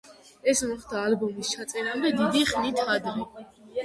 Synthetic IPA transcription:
ɛsmɔχd̪aːlbɔmist͡ʃʰat̪sʼɛɾamd̪ɛd̪id̪iχnit̪ʰad̪ɾi

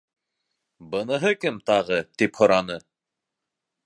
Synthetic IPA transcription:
bɤ̆nɤ̆ɦɤkɘmt̪ɑʁɤt̪iphŏɾɑnɤ

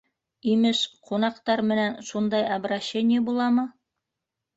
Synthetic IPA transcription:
imɘʃqʰunɑqt̪ɑɾmɘ̆nænʃund̪ɑjɑbɾaɕːenʲɪjəbulˠɑmɤ

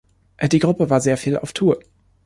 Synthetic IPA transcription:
ʔdiːɡʁʊpəvaːɐzeːɐfiːlʔa̰ʊftʰuːɐ

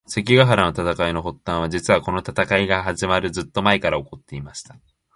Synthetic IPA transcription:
se̞kʲiɡaɦaɾano̞t̪at̪akaino̞ɦo̞t̪ːãɰ̃βad͡ʑit͡sɨβako̞no̞t̪at̪akaiɡahaʑimaɾɯ̟d͡zɨt̪ːo̞maekaɾaokot̪ːe̞imaɕi̥t̪ḁ

